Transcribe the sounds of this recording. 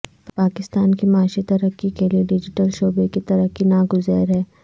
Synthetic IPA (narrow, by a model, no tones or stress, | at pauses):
paːkɪst̪aːnkimaːʃit̪ɐɾəkːikelieɖɪd͡ʒɪʈəlʃoːbekit̪ɐɾəɦkːinaːɡʊzɛːɾɦɛː